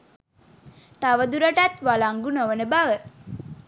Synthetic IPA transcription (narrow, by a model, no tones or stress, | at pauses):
t̪aʋəd̪uɾəʈat̪ʋalaŋɡunoʋənəbaʋə